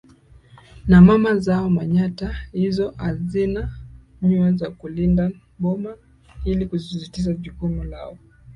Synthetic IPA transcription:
namamazaɔmaɲatahizɔhazina | ɲuazakulinda | ɓɔma | ilikuzisitiʃaʄukumula̰ɔ

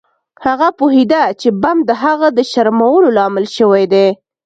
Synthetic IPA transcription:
haɣapuɦed̪at͡ʃebamd̪əɦaɣad̪əʃaɾmawəlolɑmɪlʃəwajd̪e

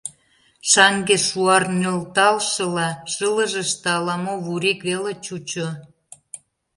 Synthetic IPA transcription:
ʃɑŋɡeʃuɑrnølt̪ɑlʃɤ̆lɑʃələ̆ʒə̆ʃt̪eɑlɑmoβuɾikβelet͡ɕut͡ɕo

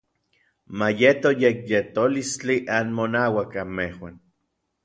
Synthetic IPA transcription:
majet̪ojekjet̪olist͡ɬiʔanmonawakamehwan

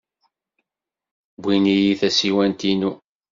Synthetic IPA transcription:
bʷinijiθæsiwænt̪inu

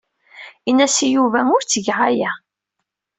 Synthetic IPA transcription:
inːæsijuvæʊɾt͡sːəʝʕajæ

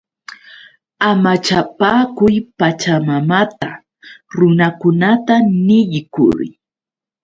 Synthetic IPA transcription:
amat͡ʃapaːkʊjpat͡ʃamamat̪a | ɾʊnakʊnat̪anɪʎkʊ̰ɾ

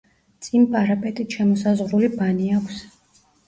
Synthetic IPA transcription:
t̪sʼimpʼaɾapʼɛt̪ʼit̪ʃɛmɔsazʁɾulibaniakʷʰs

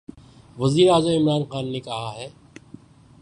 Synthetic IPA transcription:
ʋɐziːɾaːzəmɪmɾaːnxaːnːekɐɦaɦɛː

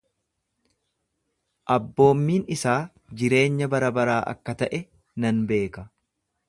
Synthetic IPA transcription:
ʔɐbːo̞ːmːiːnɪsaː | d͡ʒɪɾe̞ːɲːɐbɐɾɐbɐɾaːʔɐ̰kːɐt̪ɐʔɛ | nɐnbe̞ːkɐ

